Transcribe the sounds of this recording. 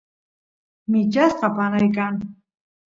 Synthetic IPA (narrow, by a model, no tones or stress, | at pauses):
mɪt͡ʃasqɑpanajkaŋ